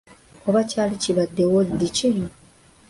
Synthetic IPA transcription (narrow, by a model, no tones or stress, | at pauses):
oβacalit͡ʃiβad̪ːewod̪it͡ʃe